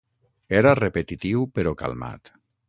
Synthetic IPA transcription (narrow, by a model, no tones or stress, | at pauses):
eɾarepet̪it̪iwpeɾoka̰lˠma̰t̪